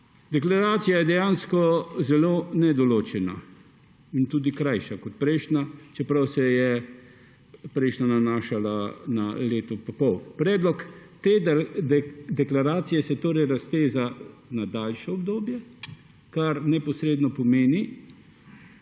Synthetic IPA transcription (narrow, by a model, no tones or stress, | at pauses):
d̪ɛklaɾaːt̪sijajɛd̪ɛjanskɔzɛloːnɛd̪ɔloːt͡ʃɛna | int̪uːd̪ikɾajʃakɔt̪̚pɾɛjʃnat͡ʃɛpɾawsɛjɛ | pɾɛjʃnananaːʃalanaleːt̪ɔpɐpɔwpɾɛːd̪lɔkt̪eː | d̪ɛklaɾaːt̪sijɛsɛt̪oːɾɛjɾast̪eːzanad̪aːlʃɔɔbd̪oːbjɛ | kaɾnɛpɔsɾeːd̪nɔpɔmeːni